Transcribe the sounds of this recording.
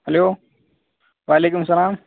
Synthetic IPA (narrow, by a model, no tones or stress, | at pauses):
hɐloː | ʋaːleːkʊmsɐlaːm